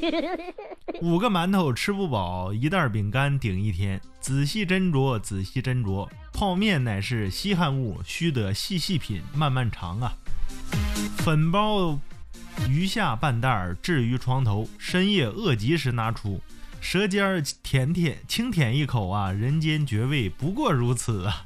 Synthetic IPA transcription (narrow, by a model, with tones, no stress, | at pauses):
u˨˩ɡə˦ma˧˥nt̪ʰo˨˧˩ʊʈ͡ʂʰɻ̩˥pu˥˩pɑ˨˩ʊi˧˥t̪a˞˥˩p̬i˨˩ŋka˥nt̪i˨˩ŋi˥˩t̪ʰjɛ˥n | t͡sɹ̩˨˩ɕi˥˩ʈ͡ʂə˥nʈ͡ʂwɔ˧˥t͡sɹ̩˨˩ɕi˥˩ʈ͡ʂə˥nʈ͡ʂwɔ˧˥ | pʰɑ˥˧ʊmjɛ˥˩nna˨˩ɪʂɻ̩˥˩ɕi˥xa˥˧nu˥˩ɕy˥t̪ɤ˧˥ɕi˥˧ɕi˥˩pʰḭ˨˩˦nma˥˧nma˥˩nʈ͡ʂʰɑ̰˧˥ŋɐ˧ | fə˨˩npɑ˥ʊ | y˧˥ɕja˥˧pa˥˧nt̪a˥˩ʈ͡ʂɻ̩˥˩y˧˥ʈ͡ʂʰwɑ˧˥ŋt̪ʰo˧˥ʊʂə˥njɛ˥˧ɤ˥˩t͡ɕi˧˥ʂ̬ɻ̩˧˥na˧˥ʈ͡ʂʰu˧˥ | ʂɤ˧˥t͡ɕjɑ˥t̪ʰjɛ˧˥nt̪ʰɛ˥˨˩t͡ɕʰi˥ŋt̪ʰjɛ˨˩ni˥˩kʰo˨˩ʊɐ˧ɻə˧˥nt͡ɕjɛ˥nt͡ɕɥɛ˧˥we˥˩ɪpu˧˥kwɔ˥˩ɻu˧˥t͡s̩ʰ˨˩ə˦